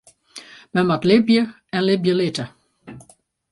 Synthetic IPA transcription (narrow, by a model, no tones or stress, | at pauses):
mɛnmatlɪbjə | ɛnlɪbjəlɪtə